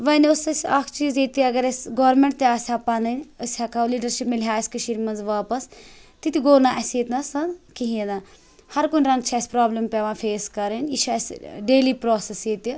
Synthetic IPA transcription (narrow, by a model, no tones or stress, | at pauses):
ʋɐnosɐsʲaːkʰt͡ʃiːzit̪iɐɡɐɾɐsʲɡoːɾmẽɳʈt̪eaːsʲaːpaːnɐnʲɐsʲhɐkʰaːwliːɖɐɾʃipmilɦaːɐsʲkɐʃiɾmɐnzʋaːpɐst̪it̪ʲiɡoːnaːʔɐset̪ʲnɐsɐnkiɦĩed̪a | hɐɾkunʲɾɐŋɡt͡ʃʰɐsʲpɾaːblɐmpeʋaːfʰeːskɐɾɐnʲit͡ʃʰɐsʲɖeːlipɾoːsesjeːt̪i